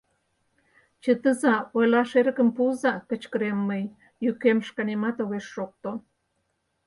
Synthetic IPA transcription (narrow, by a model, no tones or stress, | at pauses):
t͡ʃət̪əzawelaʃeɾəkəmpuzakət͡ʃkəɾemːəj | jukemʃkanimat̪oɣeʂːok̚t̪o